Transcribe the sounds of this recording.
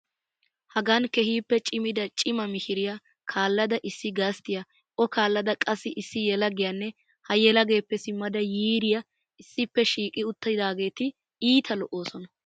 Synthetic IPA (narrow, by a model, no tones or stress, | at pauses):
hɐɡɐnkɛhiːpːɛt͡ʃʼɪmɪd̪ɐt͡ʃʼɪmɐmɪhɪɾɪjɐ | kʰaːlːɐd̪ɐʔɪsːɪɡɐst̪ɪjɐ | ʔɔkaːlːɐd̪ɐkʼɐsːɪʔɪsːɪjɛlɐɡɪjanːɛ | hɐjɛlɐɡe̞ːpːɛsɪmːɐd̪ɐjiːɾɪjɐ | ɪsːɪpːɛʃiːkʼɪʊt̪ːɐd̪aːɡe̞ːt̪ɪ | iːt̪ʰɐlɔʔːo̞ːsɔnɐ